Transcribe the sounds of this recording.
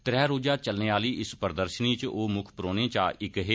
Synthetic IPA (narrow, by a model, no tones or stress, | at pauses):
t̪ɾɛːɾoːd͡ʒaːt͡ʃəlneːaːliːʔɪspəɾd̪əɾʃəniːt͡ʃoːmʊkʰpɾoːnẽːt͡ʃa̰ːɪkɦe